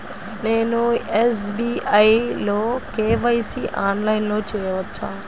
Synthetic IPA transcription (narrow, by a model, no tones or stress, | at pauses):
neːnues̬biɐjloːkeːʋɐjsiʔaːnlɐjnloːt͡ʃɛːjɐʋɐt͡ʃʰːaː